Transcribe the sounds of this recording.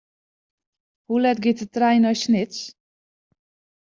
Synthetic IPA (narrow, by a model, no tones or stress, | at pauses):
hulɛt̚ɡɪtətrɛjnɔjsnɪts